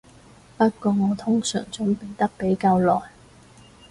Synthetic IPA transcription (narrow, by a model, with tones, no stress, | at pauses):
pɐ˥t̚kɔː˧ŋɔː˨˧t̪ʰʊ˥ŋsœ̰ː˨˩ŋt͡sʊ˨˥ŋpe˨˧ŋt̪ɐ˥k̚pe˨˥jkaː˧wlɔː˨˩j